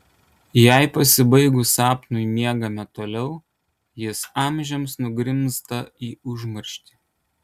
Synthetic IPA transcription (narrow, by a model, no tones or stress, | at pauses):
jæˑɪpɐsʲɪbɐɪɡʊsɑːpnʊɪmʲiɛɡɐmʲɛt̪oːlʲɛʊ | jɪsɑˑmʲˑʒʲɛmsnʊɡɾʲɪmst̪ɐiːʊʒmɐɾʲʃʲt̪ʲiːˑ